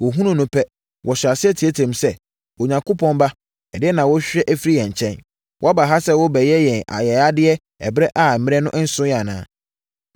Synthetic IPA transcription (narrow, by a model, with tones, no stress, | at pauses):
wɔ˨ɦũ˦nʊ̃˦nʊ̃˦pʰɛ˦ | wʔɔ˨ɕᶣa˨sɪ˦ɛ˦tʰi˨e˦tʰɛ̃˨msɛ˦ | wɔ˨ɲã˨ŋko˦pʰɔ̃˦nba˦ | ɛ˨dɪ˦ɛ˦nã˨wɔ˦ɕᶣɛ˦ʔæ˦fi˦ɾi˦jɛ̃˨ɲ˨t͡ɕʰɛ̃˦n | wʔa˦ba˨ɦa˦sɛ˦wɔ˦bɛ˨jɛ˦jɛ̃˨ʔa̰˨jɛ˨a˦dɪ˦ɛ˦ | ɛ̰˨bɾɛ˦ʔa˨mɪ̃˦ɛ˦nʊ̃˦ʔn̩˦sʊ̃˦ja˨nã̰ː˨˦